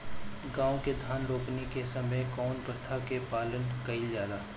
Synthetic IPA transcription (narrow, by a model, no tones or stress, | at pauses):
ɡãːõked̪ʱaːnɾoːknekesɐməjkɔːnbəɾt̪ʰakepaːlənkɐild͡ʒjaːd̪aː